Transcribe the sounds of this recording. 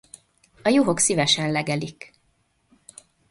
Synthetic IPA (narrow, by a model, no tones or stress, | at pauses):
ɒjoɦoksivɛʃɛnlɛɡɛlik